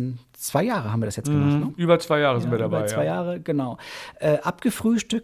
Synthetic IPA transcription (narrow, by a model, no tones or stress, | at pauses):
n | t͡sv̥aɪjaːʁəhabm̩viɐdasjɛt͡stɡəmaχtnəʔyːbɐt͡sv̥aɪjaːʁəzɪntviɐdabaɪt͡saɪjaːʁəɡ̥ənaʊʔɛːʔapɡ̥əfʁ̥yːʃtʏk̚